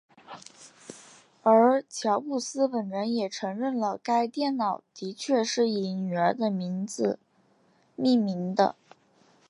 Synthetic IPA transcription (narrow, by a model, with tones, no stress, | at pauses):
ə˞˧˥t͡ɕʰjɑ˧˥ʊpu˥˩sɹ̩˥pə˨˩nɻə˧˥njɛ˨˩ʈ͡ʂʰɤ˧˥ŋɻə˥˩nlə˩ka˥ɪt̪jɛ˥˩nnɑ˨˩˦ʊt̪i˧˥t͡ɕʰɥɛ˥˧ʂɻ̩˥˩i˨˧˩ny˨˩ə˞˧˥d̪ə˧mi˧˥nd͡z̩˧ | mi˥˩mi˧˥ŋd̪ə̰˧